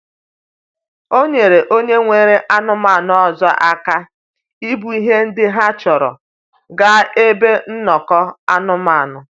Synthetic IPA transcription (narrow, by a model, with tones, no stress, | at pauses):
o˦ɲe˨ɾe˨ʔo˦ɲe˦ŋʷe˨ɾe˦ʔa˦nʊ˦ma˨nʊ˨˦ɔ˨zɔ˦ʔa˦ka˦ | i˦bu˨i˦ɦe˦n̩˦dɪ˦ɦa˦t͡ʃɔ˨ɾɔ̰˨ | ɡa˦e˦be˦n̩˦nɔ˨kɔ˦a̰˦nʊ˦ma˨nʊ˨